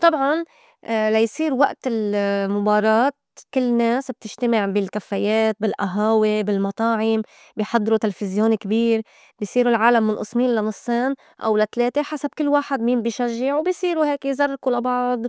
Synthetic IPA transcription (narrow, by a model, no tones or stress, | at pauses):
t̪ˤɑbʕɑn | lajsˤiːɾwaʔt̪ɪlmʊbɑːɾˤɑːt̪̚ | kɪlːneːsb̚t̪ɪʒt̪amɪʕbɪlkafːajeːt̪̚bɪlʔaɦaːwibɪlmɑt̪ˤɑːʕɪm | biħɑd̪ˤːɾut̪ɪlefɪzjoːnkbiːɾ | bijsˤiːɾulʕaːlamːɪnʔɨsˤmiːnlanɨsˤːeːn | ʔa̰wlat̪leːt̪eħasab̚kɪlːwaːħɪd̪miːmbiʃaʒːɪʕwbisˤiːɾuheːkzarˤːkulabɑʕd̪ˤ